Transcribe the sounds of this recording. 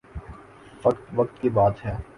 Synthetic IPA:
ʋɐkt̪ʋɐk̚t̪̚kibaːt̪ɦɛː

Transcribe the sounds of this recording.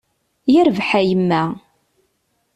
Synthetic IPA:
jəɾvħæjəmːæ

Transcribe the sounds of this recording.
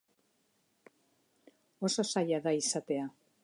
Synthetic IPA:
o̞so̞sajaðaisat̪e̞a

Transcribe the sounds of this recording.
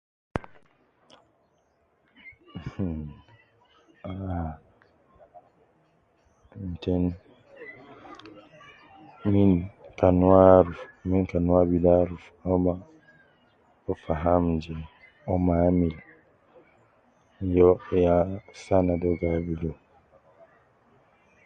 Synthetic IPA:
h | a | n̩tɛn | mĩnkanuaɾufmĩnkanuabidaɾuf | ɔma | ɔfaɦãmd͡ʒɛ | ɔmamil | jɔjasanadɔɡabidɔ

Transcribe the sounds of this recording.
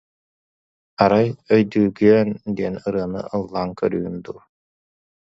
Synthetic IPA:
aɾajœjd̪yːɡyœnd̪iɛnɯɾɯɐnɯ̰ɯlˠːaːŋkœɾyːynd̪uː

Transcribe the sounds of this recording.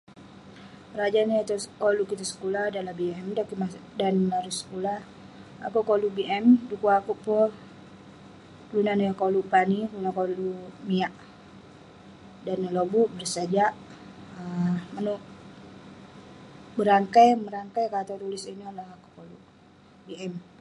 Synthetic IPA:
əɾad͡ʒanat̪ukoluʔkit̪asə̥kulahdanlabiɛmdakimadanlaɾusə̥kula | a̰kuʔkolubiʔɛmdukuakuʔpɔ | klunanujakoluʔpaniklunakolumiaʔ | danːəlobuʔbərsad͡ʒaʔ | əmanuʔ | bəɾaŋkajməɾaŋkajkat̪at̪ulɪsiniolahaku̥koluʔ | biɛm

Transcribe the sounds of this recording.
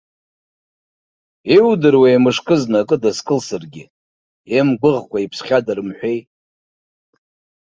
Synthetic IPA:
ewdɨrweːmɨʂkʰʼɨznakʼɨdaskʼɨlsɨrɡʲɪ | emɡʷʊʁkʷʰaipʰsχʲadarɨmħᶣʷej

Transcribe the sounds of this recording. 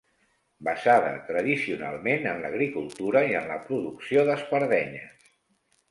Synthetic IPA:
bəzaðə̰t̪ɾəðisiuna̰lˠmenənləɣ̞ɾikulˠt̪uɾəiənləpɾuðuksioðəzpəɾðɛɲəs

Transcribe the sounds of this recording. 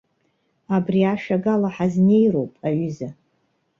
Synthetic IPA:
abriaʂaɡalaħazne̞jɾo̞wpʼaɥyza

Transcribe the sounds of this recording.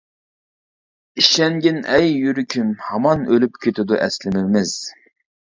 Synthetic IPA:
iʃɛŋɡʲɪnɛjːyɾykʲʰymhɑmɑnølyp̚kʲʰet̪ʰɪd̪uʔɛslɪmɪmɪz̥

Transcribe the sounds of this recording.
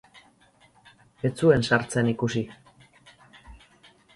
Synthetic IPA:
e̞t͡sue̞nsaɾt͡senikusi

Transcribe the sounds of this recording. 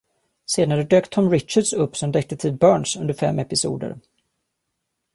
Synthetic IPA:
seːd̪aɾəd̪øːkt̪ʰɔmɾɪt̪t͡ʃaɖsɵpːsɔmd̪ɛk̚t̪ət̪ʰɪlbœːɳsɵnd̪əɾfɛ̰mːɛpɪsṵːd̪ə̰ɾ

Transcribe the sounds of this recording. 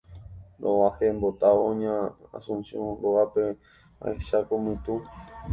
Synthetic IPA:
d̪oahembot̪aoõɲãa̰sũnsjõɾoape | ã̰eʃakomɨ̃t̪ũ

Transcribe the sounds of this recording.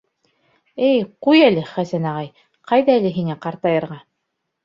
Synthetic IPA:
ɘjqujælɘχæsænɑʁɑj | qɑjðɑælɘɦiŋæqɑɾt̪ɑjɤ̆ɾʁɑ

